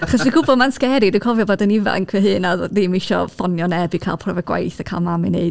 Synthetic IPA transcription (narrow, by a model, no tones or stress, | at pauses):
aχɔsdiɡʊbɔdmanskɛɾidiwkʰɔvjɔboːdəniva̰nkʰwɨɦɨːnaðimiʃɔ̰fɔnjɔnɛbɨkʰa̰ːlˠpʰrɔvɔɡwa̰jθəkʰa̰lˠmamɨneɨd